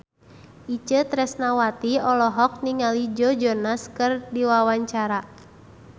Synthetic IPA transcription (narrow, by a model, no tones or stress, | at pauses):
ʔit͡ʃət̪ɾɛsnawat̪iɔlɔɦɔk̚niŋalid͡ʒɔd͡ʒɔnaskɨrdiwawaɲt͡ʃaɾa